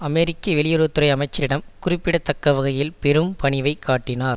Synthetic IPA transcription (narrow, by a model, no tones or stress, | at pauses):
ɐmɛɾɪkːɐʋɛɭɪjɐɾoːt̪ːɯɾɐɪɐmɐɪt͡ʃːɐɾɪɽɐmkʊrɪpːɪɽɐt̪ːɐkːɐʋɐɣɐjɪlpɛɾɯmpɐɳɪʋɐɪkːaːʈːɪnaːɾ